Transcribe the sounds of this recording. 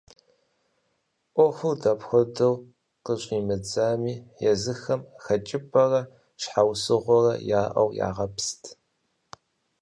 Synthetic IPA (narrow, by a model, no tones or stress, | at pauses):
ʔʷɔxʷɨwdɐpxʷɔdɐw | qəɕʷʼiːmɨd͡zaːmiːjɛzɨxɐmxɐt͡ʃʼɪpʰʼɐrɐ | ʃħawsɨʁʷɔrɐ̰jaːʔɐ̰wja̰ːʁɐpʰstʰ